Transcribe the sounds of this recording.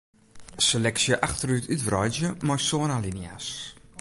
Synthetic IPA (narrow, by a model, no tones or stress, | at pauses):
selɛksjəʔaxtərytʰytvrɔjzjəmɔjsoənalinia̰s